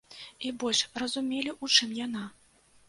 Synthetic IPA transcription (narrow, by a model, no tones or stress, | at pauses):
ibɔlʲʂrɐzumʲelʲiʔut͡ʂɨmjana